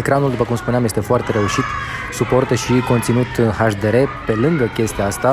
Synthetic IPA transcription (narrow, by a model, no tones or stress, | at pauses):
ekɾanuld̪upəkumspuneamjest̪efoart̪e̞ɾe̞uʃit̪ | supo̞rt̪əʃikont̪sinut̪haʃd̪eɾe̞pe̞lɨŋɡəkʲe̞st̪iaast̪a